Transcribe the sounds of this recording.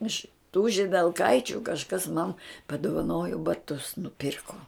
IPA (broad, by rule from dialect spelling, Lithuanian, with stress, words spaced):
ɪʃ tuː ʒʲɪdʲɛlˠˈkɐɪt͡ʃʲʊ kɐʃˈkɐs mɐn pɐdʊʋɐˈnoːjoː bɐˈtʊs nʊˈpʲiːrkoː